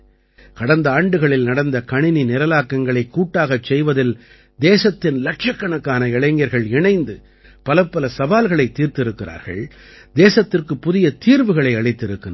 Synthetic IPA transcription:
kɐɽɐnd̪ɐaːɳɖɯɣɐɭɪlnɐɽɐnd̪ɐkɐɳɪninɪɾɐlaːkːɐŋɡɐɭɐɪkːuːʈːaːɣɐt͡ʃːɛjʋɐðɪl | d̪eːsɐt̪ːɪnlɐʈʂɐkːɐɳɐkːaːnɐɪɭɐɪŋɡɐɾɣɐɭɪɳɐɪnd̪ɯ | pɐlɐpːɐlɐsɐʋaːlɣɐɭɐɪt̪ːiːɾt̪ɪɾɯkːɪɾa̰ːɾɣɐ̰ɭ | d̪eːsɐt̪ːɪrkɯpːʊðɪjɐt̪iːɾʋɯɣɐɭɐɪɐɭɐɪt̪ːɪɾɯkːɯn

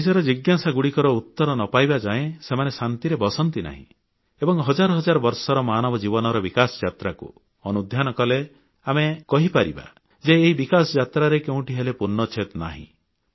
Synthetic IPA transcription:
sɔɾɔd͡ʒiɡjasaɡuɽikɔɾɔut̪ːɔɾɔnɔpajbad͡ʒaẽsemanesant̪iɾebɔsɔnt̪ina̰ɦḭ̃ | ebɔŋɦɔd͡ʒaɾɔɦɔd͡ʒaɾɔbɔɾsɔɾɔmaːnɔbɔd͡ʒibɔnɔɾɔbikasɔd͡ʒat̪ɾakṵ | ɔnud̪ʱjanɔkɔle | amekɔɦipaɾiba̰ | d͡ʒeːɦibikasɔd͡ʒat̪ɾaɾekeũʈiɦelepuɾnɔt͡ʃʰet̪na̰ɦḭ̃

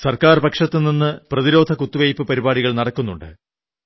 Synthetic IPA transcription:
sɐrkaːrbɐkʂɐt̪ːɨninːɨprɐðiɾo̞ːd̪ʱɐkut̪ːuʋejpːɨpɐɾibaːɽiɣɐɭnɐɽɐkːunːuɳɖɨ̰

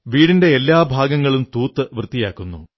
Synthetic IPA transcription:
ʋiːɽinde̞ːlːaːbʱaːɡɐŋːɐɭumt̪uːt̪ːɨʋrɨt̪ːijaːkːunːṵ

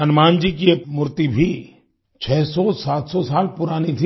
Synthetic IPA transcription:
ɐnmãːnd͡ʒik̬imʊɾt̪ibʱi | t͡ʃʰɛːsɔsaːt̪sɔsaːlpʊɾaːnit̪ʰi

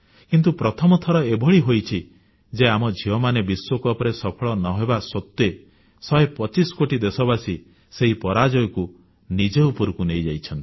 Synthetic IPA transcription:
kint̪̬upɾɔt̪ʰɔmɔt̪ʰɔɾɔebʱɔɭiɦojt͡ʃʰi | d͡ʒeamɔd͡ʒʱiɔmanebiswokuɔpɔɾesɔpʰɔɭɔnɔɦebasɔt̪ːe | sɔjepɔt͡ʃiskoʈid̪esɔbasi | seɦipɔɾad͡ʒɔjɔku | nid͡ʒeupɔɾukunejd͡ʒajt͡ʃʰɔnt̪i

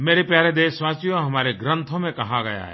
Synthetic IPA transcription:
meːɾepjaːɾed̪eːsʋaːt͡ʃjoɦɐmaːɾeɡɾə̃nt̪ʰõmẽkɐɦaɡɐja̰ɦɦɛ̰ː

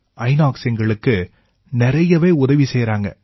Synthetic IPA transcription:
ɐɪnaːksɛŋɡɐɭɯkːɯ | nɪɾɐjɐʋeːʊðɐʋisɛjɾaːŋɡɐ̰

